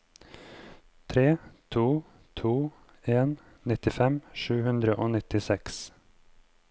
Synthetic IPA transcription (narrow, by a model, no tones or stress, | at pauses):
t̪ʰɾeːt̪ʰuː | t̪ʰuː | eːn | nɪt̪ɪfɛmʃʉːhʉnd̪ɾəʔoːnɪt̪ɪsɛks